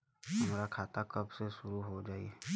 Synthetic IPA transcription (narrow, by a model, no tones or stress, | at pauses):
ɦɐmɾakʰaːt̪akəbseʃʊɾuɦod͡ʒaːie